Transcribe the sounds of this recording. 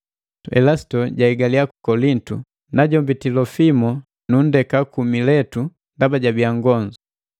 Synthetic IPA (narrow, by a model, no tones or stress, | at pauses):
ɛ̰lastɔɟaiɡaliakukɔlintu | naɟɔmbitilɔfimɔ | nundɛkakumilɛtu | ndabaɟabiaŋɡɔɲd͡ʒu